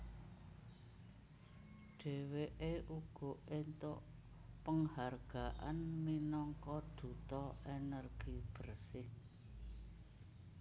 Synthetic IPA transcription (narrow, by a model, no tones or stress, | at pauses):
ɖ̥e̤weʔeʔuɡ̥ɔ̤ent̪ʊʔ | pəŋharɡ̥aʔa̰nminɔŋkɔd̪̥ṳt̪ɔʔenərɡ̥ib̥ərsɪh